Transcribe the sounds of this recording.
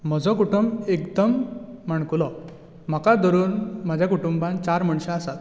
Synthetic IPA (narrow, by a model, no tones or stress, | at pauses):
m̤əd͡zɔkuʈumbekd̪əm̤ːəɳ̃kulɔ | m̤əkad̪ɔɾuːnmad͡ʑʱjakuʈumbãnt͡ɕaɾməɳɕãəsat̪